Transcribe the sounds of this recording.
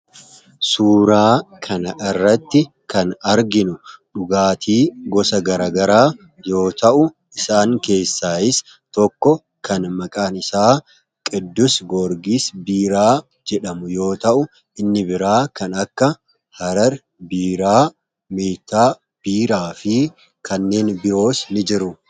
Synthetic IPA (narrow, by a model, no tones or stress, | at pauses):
suːɾaːkʰɐnɐʔɪrːɐt̪ːɪ | kɐnɐɾɡɪnʊᶑʊɡaːt̪ʰiːɡɔsɐɡɐɾaːɡɐɾaː | jo̞ːt̪ɐʔʊ | ɪsaːŋke̞ːsːaːɪs | t̪ɔkːɔ | kʰɐnmɐkʼaːnɪsaː | kʼɪd̪ːʊsɡɔɾɡisbiːɾaː | d͡ʒɛᶑɐmʊjo̞ːt̪ɐʔʊ | ɪnːɪbɪɾaːkɐnɐkːɐ | hɐɾɐɾ | biːɾaː | meːt̪ːaː | b̥iːɾaːfɪ | kʰɐnːe̞ːnbɪɾo̞ːsnɪd͡ʒɪɾʊ